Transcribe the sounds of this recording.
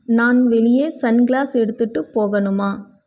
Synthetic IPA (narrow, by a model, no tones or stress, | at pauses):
naːnʋɛɭɪjeːsɐnɡlaːsɛɽɯt̪ːɯʈːɯpoːɣɐɳɯmaː